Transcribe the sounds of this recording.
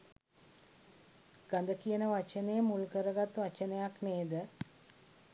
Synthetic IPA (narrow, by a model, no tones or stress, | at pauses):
ɡ̥ɐnd̪əkijənəʋɐt͡ʃənejmulkəɾɐɡat̪ʋɐt͡ʃənɐjakneːd̪ə